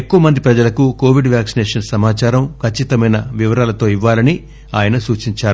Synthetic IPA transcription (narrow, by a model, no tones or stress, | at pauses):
ekːoʋɐmɐnd̪ipɾɐd͡ʒɐlɐkuko̞ːʋiɖʋjaːksinɛːʂɐnsɐmaːt͡ʃaːɾɐmkʰɐt͡ʃːit̪ɐmɐjnɐʋiʋɐɾaːlɐt̪o̞ːiʋːaːlɐni | a̰ːjɐnɐsuːt͡ʃiɲt͡ʃaːɾu